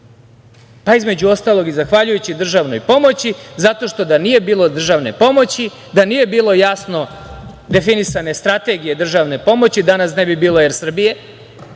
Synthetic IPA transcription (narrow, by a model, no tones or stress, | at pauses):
paizme̞d͡ʑuo̞st̪aːlˠo̞ɡizaxʋaʎujut͡ɕid̪r̩ʒaʋno̞̰jpo̞mo̞t͡ɕizat̪o̞ʃt̪o̞d̪anije̞biːlˠo̞d̪r̩ʒaʋne̞̰po̞mo̞t͡ɕi | d̪anije̞biːlo̞jasno̞ | d̪e̞finisane̞st̪ɾat̪e̞ɡije̞d̪r̩ʒaʋne̞po̞mo̞t͡ɕid̪anasnebibiːlo̞jeɾsr̩bije̞